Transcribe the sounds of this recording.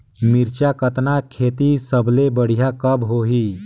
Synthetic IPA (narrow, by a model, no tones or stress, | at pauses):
miɾt͡ɕjakət̪nakʰet̪isəblebəɽ̤ijakəbɦoɦi